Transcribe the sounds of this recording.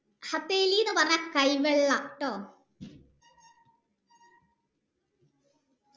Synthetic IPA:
hɐt̪ːeːliːjnːɨpɐrɐɲːakɐjʋeɭːɐʈːoː

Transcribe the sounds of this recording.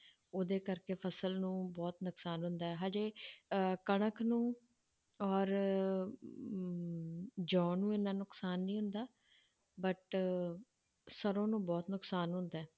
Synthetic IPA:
oːd̪eːkəɾkeːpʰəsəlnũːbɔːt̪nʊksaːnɦʊnd̪aːɛːɦaːd͡ʒeː | kəɳ̃əkʰnũː | ɔːɾ | d͡ʒɔ̃ːnũːɪnãːnʊksaːnːĩːɦʊnd̪aː | bəʈ | səɾõːnũːbɔːt̪nʊksaːnɦʊnd̪aː

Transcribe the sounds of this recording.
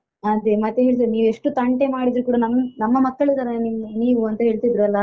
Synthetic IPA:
ɐd̪emɐt̪ːeɦe̞ːɭt̪iniːʋueʂʈːut̪ɐɳʈemaːɽid̪ɾukuːɽɐnɐmnɐmːɐmɐkːɐɭid̪aːɾeniniːʋuɐnt̪ɐɦe̞ːɭt̪id̪ɾuɐlːɐ

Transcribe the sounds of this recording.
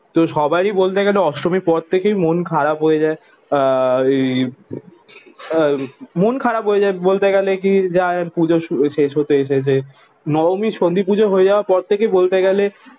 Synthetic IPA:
t̪oʃɔbajɾibolt̪eɡɛleɔʃɾomiɾpɔɾt̪ʰekejmonkʰaɾabɦojed͡ʑae | monkʰaɾabɦojed͡ʑaebolt̪eɡɛlek̬id͡ʑapud͡ʑoʃuʃeʃɦot̪eeʃet͡ɕʰe | nɔomiʃond̪ʱipud͡ʑʱoɦoed͡ʑaoaɾpɔɾt̪ʰekejbolt̪eɡɛle

